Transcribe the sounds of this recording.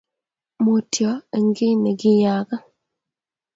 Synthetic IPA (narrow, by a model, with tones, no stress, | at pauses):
mo˨tʰjɔ˨˦e˨ŋɡɪ˦nɛ˨ɡɪ˦ja˨ɡa˦